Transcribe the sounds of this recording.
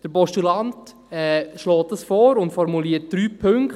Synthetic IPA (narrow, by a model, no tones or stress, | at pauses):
d̥əɾbɔʃtulɑnt | ɛʃlɔːt̚dɑsfɔːɾʊntfɔɾmuliːət̚d̥ɾyːpʰɵŋk